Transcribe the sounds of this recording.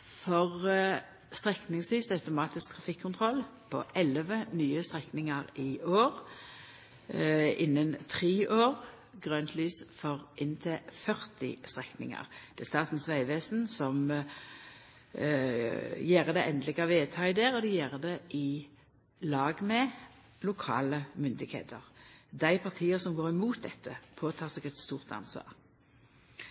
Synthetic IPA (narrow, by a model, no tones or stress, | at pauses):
fɔʁ | st̪ʁɛknɪŋslyːsɑʉt̪ʊmɑːt̪ɪsk̚t̪ʰʁɑfɪkʰːʊnt̪ʰʁɔlpʰɔ̰ʔɛlʋənyːəst̪ʁɛknɪŋəʁɪoːʁ | ɪnːənt̪ʰʁiːʔoːʁ | ɡʁøːnt̪ʰlyːsfɔʁʔɪnt̪ʰɪfœʁt̪ɪ̰st̪ʁɛknɪ̰ŋɑ̰ʁd̪̥ɛst̪ɑːt̪n̩sʋæɪʋeːsn̩sɔm | jeːʁəd̪ɛʔɛnd̪əlɪɡɑʋeːt̪ʰɑɪd̪eːʁɔd̪ɪjeːʁəd̪ɛʔɪ | lɑːɡmɛ | lʊkʰɑ̰ːləmʏnd̪ɪɡhḛːt̪ʰəʁd̪æɪpʰɑʁt̪ʰiːəsɔmɡoːʁɪmuːt̪̚d̪ɛt̪ʰːəpʰoːt̪ʰɑːsɛɡɛt̪st̪uːʁt̪ɑ̰nsʋɑ̰ːʁ